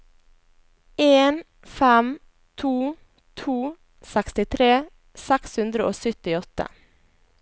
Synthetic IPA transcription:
eːn | fæm | t̪ʰuː | t̪ʰuː | sɛkst̪ɪt̪ʰɾeː | sɛkshʉnd̪ɾəʔo̰ːsœt̪ɪɔt̪ə̰

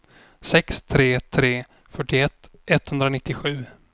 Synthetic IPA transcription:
sɛkst̪ʰɾeːt̪ʰɾeː | fœʈːɪɛt̪ː | ʔɛt̪ːhɵnd̪ɾanɪt̪ːɪɧʉ̟ː

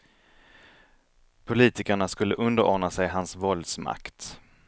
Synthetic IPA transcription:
pʰʊliːt̪ɪkaɳaskɵlːəʔɵnd̪əɾɔ̰ːɖɳasɛjɦansvɔld̪sma̰kt̪

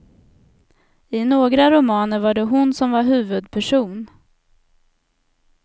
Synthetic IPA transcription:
ɪnoːɡɾaɾʊmɑːnəɾvaɖɛɦʊnsɔmvaɾɦʉ̟ːvɵd̪̚pʰæʂuːn

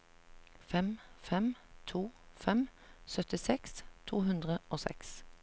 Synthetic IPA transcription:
fɛmfɛmt̪ʰuːfɛmsœt̪ɪsɛkst̪ʰuːhʉnd̪ʁəoːsɛ̰ks

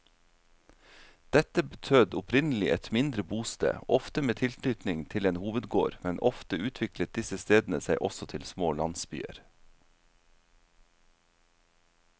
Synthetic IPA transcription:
d̪̥ɛt̪əbət̪ʰøːd̪ʊpʰɾɪnl̩ɪʔɛt̪mɪnd̪ɾəbuːst̪ḛːʔɔft̪əmeːt̪ʰɪlt̪yːt̪nɪŋt̪ʰɪleːnhuːʋəd̪ɡo̰ːɾmɛnʔɔft̪əʉːt̪ʰʋɪklət̪̚d̪ɪsəst̪eːd̪n̩əsæɪʔɔsɔt̪ʰɪlsmoːlɑnsby̰ːə̰ɾ

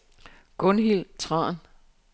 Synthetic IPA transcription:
ɡ̥ɔnhilt͡sʰʁɑ̰̈ːn

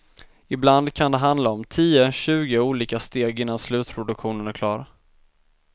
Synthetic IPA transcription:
ɪbland̪kʰand̪ɛɦand̪laɔmt̪ʰiːəɕʉ̟ːɡɪuːliːkast̪eːɡɪnːanslʉ̟ːt̪pʰɾʊd̪ɵkɧuːnənæɾkʰlɑːɾa

